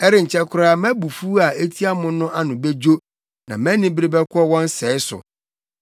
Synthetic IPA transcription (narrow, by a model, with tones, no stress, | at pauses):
ɛ˦ɾɪ˨ɲ̩˨t͡ɕʰɛ˦kʰʊ˦ɾa˦mæ̃˦bu˨fu˦a˨e˦tʰi˦a˦mʊ̃˦nʊ̃˦ʔa˦nʊ̃˨be˦d͡ʑo˦ | nã˨mæ̃˦nɪ̃˦bɾi˦bɛ˦kʰʷɔ˦wɔ̃˦n˦sɛː˨˦ɪ˦sʊ̰˨